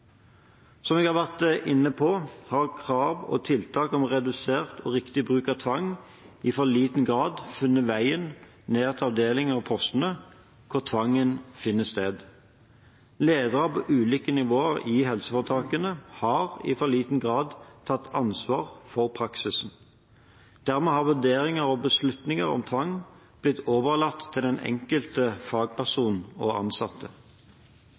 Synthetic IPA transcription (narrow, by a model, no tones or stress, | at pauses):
sɔmɛɡhɑːʋæʁt̪ʔɪnːəpʰɔhɑʁkʰʁɑːʋɔ̰t̪ʰɪlt̪ʰɑːkɔmʁɛd̪ʉseːʁt̪ʰɔʁɪkt̪ɪbʁʉːkɑt̪ʰʋɑŋ | ɪfɔʁliːt̪nɡʁɑːd̪fʉnːəʋæɪən | neːʁt̪ʰlɑʋd̪eːlɪŋɑʋpʰɔst̪ən̩ə | kʰʊʁt̪ʰʋɑŋːənfɪnːəsst̪eːd̪ | leːd̪əʁəpʰɔʔʉːliːkənɪʋoːəʁɪhɛlsəfɔʁət̪ʰɑːkənəhɑːʁɪ̰fɔliːt̪n̩ɡʁɑːd̪t̪ʰɑt̪ːʰɑnsʋɑːʁfɔʁpʰʁɑksɪsn̩ | d̪̥æʁmɛːhɑʁʋʉʁd̪eːʁɪŋəʁɔbəslʉt̪nɪŋəʁɔ̰mt̪ʰʋɑŋ | b̥lɪt̪ʰːoːʋəʁlɑt̪ʰːɪld̪ɛnɛ̰ŋkəlt̪əfɑːɡ̚pʰæʁsuːnn̩ɔɑ̰nsɑt̪ːə